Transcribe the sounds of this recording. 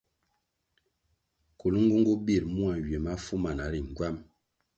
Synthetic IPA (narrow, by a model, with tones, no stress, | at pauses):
ko˨lu˦ŋ˦ɡu˦ŋ˦ɡu˦bi˦˨ɾmu˦a˨ɥje˨ma˦fu˦ma˨na˨˦ɾi˨ŋ˨ɡwa˦m